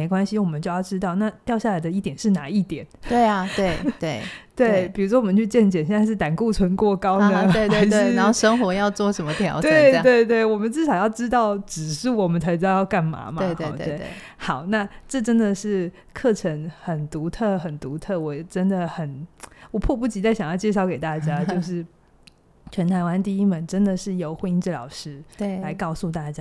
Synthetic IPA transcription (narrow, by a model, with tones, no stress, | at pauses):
e˧˥ɪkwa˥nɕi˨wɔ˨˩mə˨˦t͡ɕo˥˧ʊjɑ˥˩ʈ͡ʂɻ̩˥t̪ɑ˥˧ʊna˥˧t̪jɑ˥˧ʊɕja˥˩la˧ɪd̪ə˧i˥˩t̪jɛ˨˩nʂɻ̩˥˩na˧˥˦i˥˩t̪jɛ˨˩˦ntwee˥˩ɪa˨˩t̪we˥˩ɪt̪we˥˩ɪt̪we˥˩ɪpi˨˩ɻu˧˥ʂ̬wɔ˥wɔ˨˩ə˦nt͡ɕʰy˥˧t͡ɕjɛ˥˩nt͡ɕjɛ˨˩nɕɛ˥˧nt͡sa˥˧ɪʂɻ̩˥˩t̪a˨˩nku˥˩t͡sʰwə˧˥nkwɔ˥˩kɑ˥ʊnə˧e˥˧t̪we˥˧˥e˥˧˥a˧˦˥o˥˧ʂə˥ŋxwɔ˧˥jɑ˥˧ʊt͡swɔ˥˩ʂə˧˦nmə˧t̪ʰjɑ̰˨˧˦ʊt̪we˥˩ɪ˥˨twe˥˧ɪt̪̬we˥˩ɪwɔ˨˩mə˨˦nʈ͡ʂɻ̩˥˩ʂɑ˨˩ʊjɑ˥˩ʊʈ͡ʂɻ̩˥t̪ɑ˥˩ʊʈ͡ʂɻ̩˨˩ʂɻ̩u˥˩wɔ˨˩mə˨˦nt͡sʰa˧˥ɪʈ͡ʂɻ̩˥ɑ˥˧jɑ˥˧ʊka˥˩nma̰˧˥mae˥˧e˨˧˩t̪w̪we˥˩ɪḛ˥˩ | xɑ˨˩ʊna˥˧ʈ͡ʂɤ˥˩ʈ͡ʂə˥nd̪ə˨ʂɻ̩˥˩ | kʰɤ˥˩ʈ͡ʂʰə˧˥ŋxə˨˩nt̪u˧˥t̪ʰɤ˥˩xə˨˩nt̪u˧˥t̪ʰɤ˥˩wɔ˨˩˨ʈ͡ʂə˥nd̪ə˨xə˨˩nwɔ˨˩pʰwɔ˥˧pu˥˩t͡ɕi˧˥t͡sa˥˩ɪɕjɑ˨ŋjɑ˥˩ʊt͡ɕjʂ̬ɑ˥˩ʊke˨˩ɪt̪a˥˩t͡ɕja˦˥t͡ɕjo˥˧ʊʂ̬ɻ̩˥˩ | t͡ɕʰɥɛ˧˥nt̪ʰa˧˥ɪwa˧˥nt̪i˥˧i˥mə˨˩nʈ͡ʂə˦nd̪ə˨ʂɻ̩˥˩jo˨˧˥ʊxwe˧˥i˧˥nʈ͡ʂɻ̩˥˩lɑ̰˨˩ʊʂɻ̩˥t̪la˧˥ɪkɑ˥˧ʊsu˥˧t̪a˥˩t͡ɕja˥